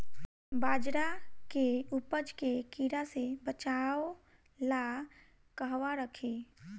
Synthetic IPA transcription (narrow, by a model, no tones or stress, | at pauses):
baːd͡ʒɾakeupəd͡ʒkekiɾasebət͡ʃaːo | la | kəɦʋaɾəkʰeː